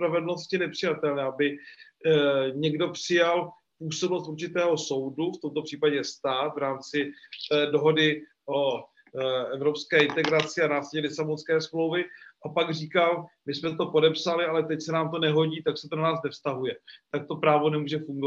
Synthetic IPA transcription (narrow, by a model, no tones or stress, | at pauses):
pɾavɛdl̩no̞scɪnɛpr̝̥ɪjat̪ɛlnɛːabɪ | ɲɛɡdo̞pr̥ɪjal | ppuːsobnost̪uɾt͡ʃɪt̪ɛːɦo̞so̞wduft̪o̞mt̪o̞pr̝̥iːpaɟɛst̪aːt̪vɾaːmt͡sɪdo̞ɦo̞dɪ | ʔo̞ | ɛvɾo̞pskɛːɪnt̪ɛɡɾat͡sɪanaːslɛɲɛlɪsabonskɛːsmlo̞wvɪʔapaɡriːkalmɪsmɛt̪o̞po̞dɛpsalɪalɛt̪ɛcsɛnaːmt̪o̞nɛɦo̞ɟiːt̪aksɛt̪o̞nanaːsnɛfst̪aɦujɛt̪ak̚t̪o̞pɾaːvo̞nɛmuːʒɛfuŋɡo